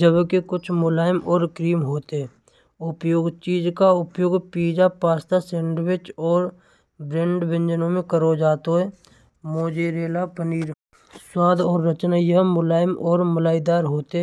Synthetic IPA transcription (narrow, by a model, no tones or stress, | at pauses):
d͡ʒəbkekʊt͡ʃʰmʊlaːjɪmɔːɾkɾiːmɦoːt̪eɛ | ʊpjoːɡt͡ʃiːd͡ʒkaʊpjoːɡpiːd͡ʒapaːst̪aseːɳɖwɪt͡ʃɔːɾ | bɾẽːɳɖbɪ̃nd͡ʒənõmẽkəɾod͡ʒaːt̪oɦɛː | moːd͡ʒeɾeːlapəniːɾ | swaːd̪ʱɔːɾːət͡ʃnajəɦmʊlaːjəmɔːɾməlaːɪd̪aːɾɦoːt̪eɦ